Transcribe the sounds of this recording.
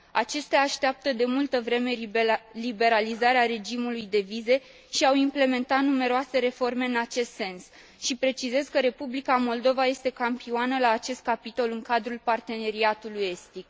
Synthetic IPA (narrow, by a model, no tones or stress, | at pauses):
at͡ʃe̞st̪eaːʃt̪eap̚t̪əd̪e̞mult̪əvɾe̞me̞libe̞ɾalizaɾeaɾe̞d͡ʒimulujd̪e̞vize̞ | ʃiawimple̞me̞nt̪at̪nume̞ɾoase̞ɾe̞fo̞rme̞ɨnat͡ʃe̞st̪se̞ns | ʃipɾe̞t͡ʃize̞zkəɾe̞publikamo̞ld̪o̞vaje̞st̪e̞kampianəlaːt͡ʃe̞st̪̚kapit̪o̞lɨŋkad̪ɾulpart̪e̞ne̞ɾiat̪uluje̞st̪ik